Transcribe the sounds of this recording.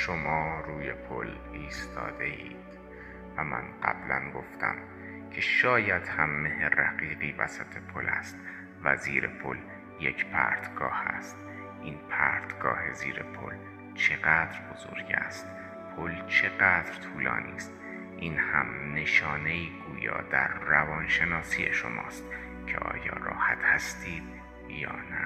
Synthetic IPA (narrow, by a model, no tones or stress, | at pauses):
ʃomɒːruːje̞pʰol | iːst̪ʰɒ̰ːd̪e̞iːd̪̥ | væmæ̰nɢæ̰b̥lænɡoft̪ʰæ̰m | cʰe̞ʃɒːjæd̪̥hæmːeheræɣiːɢiːvæ̰sæt̪ʰe̞pʰolʔæst̪ | væ̰ziːɾe̞̰pʰo̞l | jecʰpʰæ̰ɾt̪ʰɡ̥ɒːhæst̪ | ʔiːnpʰæɾt̪ʰɡ̥ɒːhe̞ziːɾe̞pʰo̰l | t͡ʃʰe̞ɣæːd̪ɾbozo̰ːɾɟæst̪ | pʰolt͡ʃʰe̞ɢæːd̪ɾt̪ʰuːlɒ̰ːniːst̪ | ʔinhæmne̞ʃɒːne̞iːɡuːjɒ̰ːd̪æɾːævɒːnʃe̞nɒːsijeʃo̰mɒːst̪ | cʰḛʔɒ̰ːjɒːrɒːhæt̪ʰhæst̪ʰiːd̪̥̚ | jɒːnæ